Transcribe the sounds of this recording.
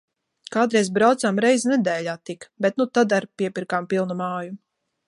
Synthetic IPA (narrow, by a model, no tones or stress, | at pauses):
kaːd̪ɾɛjzbɾawt̪samɾɛjznɛd̪ɛːlʲaːt̪ikbɛt̪nut̪ad̪aɾpiɛpʲiɾkaːmpilˠnumaːju